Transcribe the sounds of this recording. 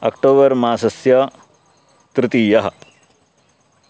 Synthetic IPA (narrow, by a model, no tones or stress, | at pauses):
ɐ̰kʈoːbəɾmãːsɐsjɐ | t̪ɾɪt̪iːjɐɦɐ̰